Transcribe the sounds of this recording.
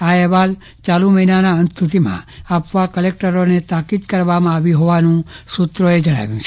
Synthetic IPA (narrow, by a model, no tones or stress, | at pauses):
aɛɦʋal | t͡ʃalũməɦinanaənst̪ʰut̪imã̰apʋakəlek̚ʈəɾonet̪akid̪kəɾʋamãaʋiɦoʋanũsut̪ɾoed͡ʒəɽ̃a̰ʋjũt͡ʃʰe